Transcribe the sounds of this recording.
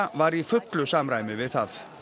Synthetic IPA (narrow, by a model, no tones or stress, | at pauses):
vaɾifʏt̪lʏsaːmɾaːjmʏvɪðθaθ